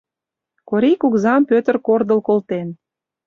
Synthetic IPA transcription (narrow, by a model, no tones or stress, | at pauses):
koɾikukzɑmpøt̪ə̆rkord̪ə̆lkolt̪en